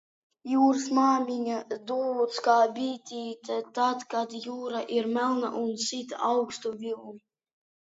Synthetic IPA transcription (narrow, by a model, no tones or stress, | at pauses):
juːɾsmaːmʲiɲʲad̪uːut̪skaːbʲiːt̪ʲiːt̪at̪at̪kad̪juːɾaʔiɾmʲælˠna̰ʔunsit̪awkst̪uvʲilˠn